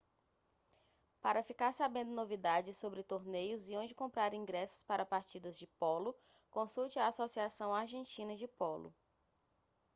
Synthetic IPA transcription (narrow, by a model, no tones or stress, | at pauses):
paɾɐfikaɾsabẽnd̪ʊnovid̪ad͡ʒɪsobɾɪt̪oɾnejʊziõd͡ʒɪkõmpɾaɾĩɡɾɛsʊ̥spaɾɐpaɾt͡ʃid̪ɐzd͡ʒɪpɔlʊ | kõsuwt͡ʃɪaːsosiasɐ̃w̃aɾʒẽnt͡ʃĩnɐd͡ʒɪpɔlʊ̰